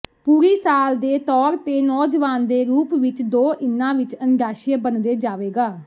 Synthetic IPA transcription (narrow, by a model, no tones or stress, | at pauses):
puːɾiːsaːld̪eːt̪ɔːɾt̪eːnɔːd͡ʒʋaːnd̪eːɾuːpʋɪt͡ʃd̪oːʔɪnːãːʋɪt͡ʃənɡaːʃeːbənd̪eːd͡ʒaːʋeːɡaː